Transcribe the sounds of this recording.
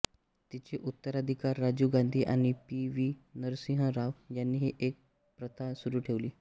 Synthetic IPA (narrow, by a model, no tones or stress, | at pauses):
t̪it͡ɕeʔut̪ːəɾad̪ʱikaɾːad͡ʑuːɡand̪ʱiːʔaɽ̃ipiʋinəɾsĩɦəɾaʋjanːiːɦiʔek̚ | pɾət̪ʰasuɾuːʈʰeʋliː